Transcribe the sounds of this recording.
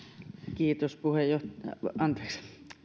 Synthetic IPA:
kiːt̪ospuhejjoht̪ɑjɑ̰ʔɑnt̪e̥ːks

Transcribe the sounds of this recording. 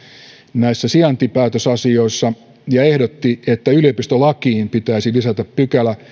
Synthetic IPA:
næisːæsiɑnt̪ipæːt̪øsɑsioisːɑ | jɑehdot̪ːiet̪ːæylijopist̪ølɑkiːmpit̪æisilisæt̪æppykælæ

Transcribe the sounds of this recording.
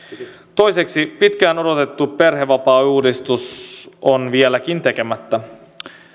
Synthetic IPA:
t̪o̞jseksipit̪kæːno̞do̞t̪e̞t̪ːupe̞rɦeʋɑpɑːuːdist̪usonʋielæk̟int̪e̞ke̞mæt̪ːæ

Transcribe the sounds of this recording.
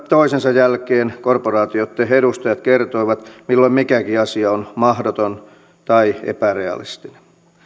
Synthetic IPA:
t̪oisensɑjjælkeːnkorporɑːt̪iot̪ːeheɾust̪ɑjɑt̪kert̪oiʋɑt̪milːoimikækiɑsiɑonmɑhdot̪on | t̪ɑiḛpæreɑ̰lḭst̪ine̥n

